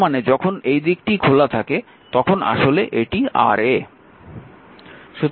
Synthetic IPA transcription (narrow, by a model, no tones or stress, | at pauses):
maned͡ʑɔkʰonejd̪ik̚ʈikʰolat̪ʰake | t̪ɔkʰona̰ʃoleʔeʈia̰ɾe | ʃu